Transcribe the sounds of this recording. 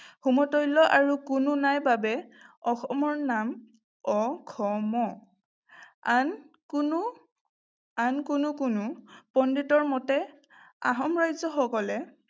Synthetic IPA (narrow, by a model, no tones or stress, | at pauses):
xumɔtɔjlɔʔaɹukunʊnajbabɛɔxɔmɔɹnam | ɔkʰɔmɔ | an | knu | ankʊnʊkʊnʊpɔnditɔɹmɔtɛ | a̰ɦɔmɹajzɔxɔkɔlɛ